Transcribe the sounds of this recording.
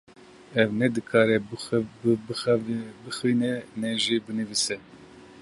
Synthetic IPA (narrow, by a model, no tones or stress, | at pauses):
ɛvnɛd̪ɨkʰɑːɾɛ | b | bɨxinɛnɛʒibɨnɨvisɛ